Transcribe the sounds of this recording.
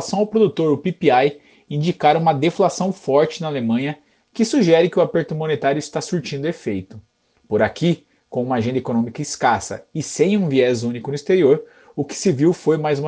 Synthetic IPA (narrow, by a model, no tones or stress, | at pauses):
sɐ̃w̃awpɾod̪ut̪oɾʊpipiaj | ĩnd͡ʒikaɾũmɐd̪eflasɐ̃w̃fɔɾt͡ʃɪnɐalemɐ̃ɲɐ | kɪsuʒɛɾɪkɪʊapeɾt̪ʊmõnet̪aɾjʊist̪asuɾt͡ʃĩnd̪ʊefejt̪ʊ | poɾaki | kõũmɐaʒẽnd̪ɐekonõmikɐiskasɐ̰ɪsẽj̃ũviɛzũnikʊnʊist̪eɾioɾ | ʊkɪ̥sɪviwfojmajzũm